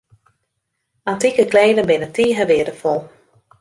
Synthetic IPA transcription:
antikəkleːdənbɪnətiːɦəʋɪədəfɔlˠ

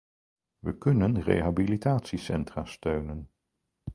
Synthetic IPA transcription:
ʋəkɵnənrḛjɦabilitaːtsisɛntraːstøɥnən

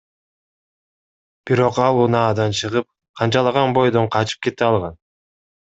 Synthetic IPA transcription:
b̥iɾo̞qɑlˠunɑːd̪ɑnt͡ʃʰɯʁɯp̚ | qʰɑnt͡ʃɑlˠɑʁɑnbo̞jd̪o̞ɴqʰɑt͡ʃɯ̥p̚ke̞t̪eɑlˠʁɑn

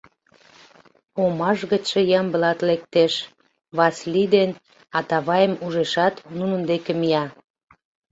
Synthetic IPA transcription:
omɑʒɣə̆t͡ɕʃĕjɑmbəlɑt̪lek̚t̪eʃ | βɑslid̪en | ɑt̪ɑβɑjəmuʒeʃɑt̪nunənd̪ekemiɑ

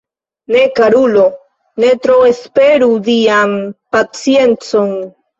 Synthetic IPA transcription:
ne̞kaɾulo̞ | ne̞t̪ɾo̞espe̞ɾudiampat͡sie̞nt͡so̞n

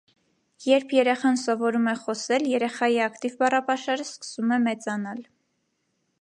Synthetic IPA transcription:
jɛɾpʰjɛɾɛχɑnsɔvɔɾumɛχɔsɛljɛɾɛχɑjiɑkt̪ivbɑrɑpɑʃɑɾəskə̥sumɛmɛt͡sɑnɑl

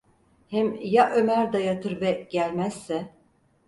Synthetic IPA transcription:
hɛmjaʔømæɾd̪ajat̪ʰɯɾbɛɟ̥ælʲmæz̥ːɛ

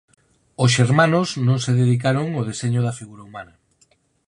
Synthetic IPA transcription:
osʃeɾmãnosnõŋseðeðik̬aɾoŋoð̞eseɲʊðɐfiɣuɾaumanɐ

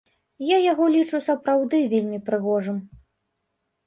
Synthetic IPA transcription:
jajaɣɔlʲit͡ʂusɐpɾawd̪ɨvʲelʲmʲipɾɨɣɔʐɨm

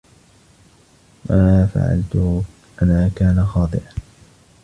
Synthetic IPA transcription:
ʔʔaaːfa̰ʕa̰lt̪ʊ | ʔanaːkaːnaxɑːd̪ˤɨʔa

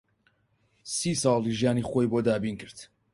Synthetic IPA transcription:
sisɑlˠiʒijaːnixojboːd̪aːbiːnkɨɾt̪

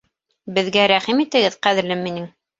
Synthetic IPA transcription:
bɘ̆ðɡæɾæχimit̪ɘ̆ɡɘðqæðɘ̆ɾlɘminɘŋ

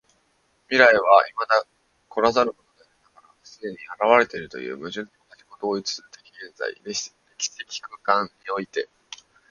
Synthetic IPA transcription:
mʲiɾaiβ̞aimad̪a | kʰo̞ɾazaɾɯ̟ko̞t̪od̪eat̪aɡaɾasɨd̪e̞ɲ̟iaɾaβ̞aɾe̞t̪e̞ɾɯ̟t̪o̞̰jɯ̟̰ːmɯ̟ʑɨnionaʑiɡo̞t̪o̞ːit͡sɨ̥sɨet̪ḁkeːnza̰ḭd̪e | ekʲi̥sekʲi̥kɯ̟kãɲɲio̞it̪e̞

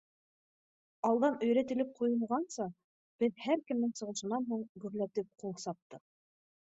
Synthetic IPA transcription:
ɑlˠd̪ɑnɵ̆jɾæt̪ɘ̆lɘp̚qʰujɤ̆lˠʁɑnsɑ | b̥ɘðhæɾkɘ̆mnɘŋsɤ̆ʁɤ̆ʃɤ̆nɑnɦuɴɡɵ̆ɾlæt̪ɘp̚qulˠsɑp̚t̪ɤq

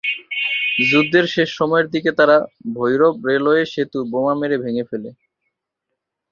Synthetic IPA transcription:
d͡ʑud̪ʱːeɾʃeʃːɔmɔeɾd̪iket̪aɾabʱojɾobɾeloeʃet̪ubomameɾebʱeŋefele

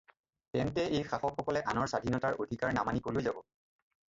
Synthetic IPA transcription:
tɛnt̬ɛʔejxaxɔkxɔkɔlɛʔanɔɹsadʱinɔtaɹodʱikaɹnamanikolojzabɔ

